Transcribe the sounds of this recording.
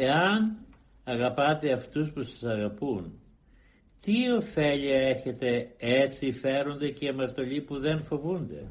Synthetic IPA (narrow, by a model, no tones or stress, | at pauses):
eɐn | ɐɣɐpɐt̪e̞ɐft̪uspusɐ̥sɐɣɐpun | t̪io̞fe̞ʎiɐe̞çe̞t̪e̞et͡sife̞ɾo̞nd̪e̞ceɐmɐɾt̪o̞ʎipuðe̞nfo̞vund̪e̞̰